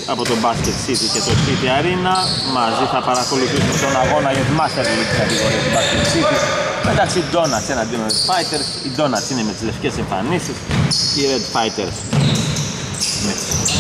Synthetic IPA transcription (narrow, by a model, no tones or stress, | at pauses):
ɐ̰po̞t̪o̞bɐscet̪sit̪iscet̪o̞siθiɐɾinɐ | mɐziθɐpɐɾɐko̞luθisumt̪o̞naɣo̞nɐiðmɐst̪eɾlit̪i̥sɐt̪ikoost̪ibɐsket̪sit̪isme̞t̪ɐksiːd̪o̞nɐsenɐnd̪inoɾed̪fɐjt̪e̞ɾsid̪o̞nɐsineme̞t̪izle̞fce̞seɱfɐ̰nisisiɾed̪fɐjt̪eɾs | met̪s